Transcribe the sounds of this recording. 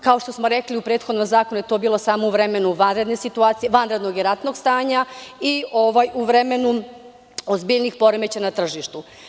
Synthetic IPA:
kao̞ʃt̪o̞smo̞ɾe̞kliupɾe̞ːt̪xod̪nomzaːko̞nujet̪o̞ːbiːlˠo̞saːmouʋɾe̞me̞nuʋanɾe̞d̪ne̞sit̪uaːt̪sijeʋanɾe̞d̪no̞ɡiɾat̪no̞ɡst̪aːɲaioʋajuʋɾe̞me̞nu | ozbiʎnixpo̞ɾemet͡ɕanat̪r̩ʒiʃt̪u

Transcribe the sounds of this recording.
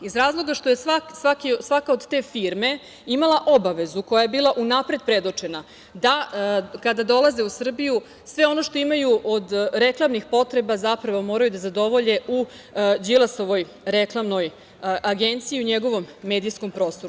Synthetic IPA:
izɾaːzlˠo̞ɡaʃt̪o̞je̞sʋaksʋakisʋakaod̪t̪e̞fiɾme̞ | imalˠaʔo̞baʋe̞zuko̞jaje̞biːlˠaʔunapɾe̞d̪̚pɾe̞d̪ot͡ʃe̞na | d̪akad̪ad̪o̞lˠaze̞usr̩biju | sʋe̞o̞no̞ʃt̪o̞imajuʔod̪ɾe̞klˠamnixpo̞t̪ɾe̞bazapɾaʋomo̞ːɾajud̪azad̪o̞ʋo̞ʎe̞u | d͡ʑilˠasoʋo̞j | ɾeklˠamno̞j | ʔaɡe̞nt̪siiuɲe̞ɡo̞ʋo̞mːe̞d̪ijsko̞mpɾo̞ːst̪o̞ɾu

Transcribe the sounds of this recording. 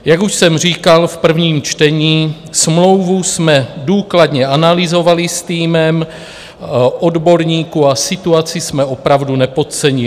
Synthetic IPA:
jaɡuʃsɛmr̝iːkalfpr̩vɲiːmt͡ʃt̪ɛɲiː | smlo̞wvusmɛduːkladɲɛanalɪzo̞valɪst̪iːmɛm | ʔodbo̞ɾɲiːkuasɪt̪uat͡sɪsmɛopɾavdunɛpo̞t̪̚t͡sɛɲɪ

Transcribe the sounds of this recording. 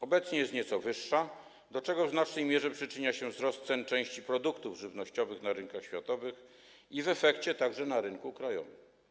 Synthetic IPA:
ɔbɛt̪sɲɛjɛst̪ɲɛt̪sɔvɘʂːa | d̪ɔt͡ʂɛɡɔvnaʂɛjmʲjɛʐɛpʂɘt͡ʂɘɲaɕɛvzɾɔst̪sɛnt͡ʂɛ̃w̃ɕt͡ɕipɾɔd̪ukt̪uvʐɘvnɔɕt͡ɕɔvɘxnaɾɘnkaxɕfʲjat̪ɔvɘx | ivɛfɛkt͡ɕɛt̪aɡʐɛnaɾɘŋkukɾajɔ̰vɘm

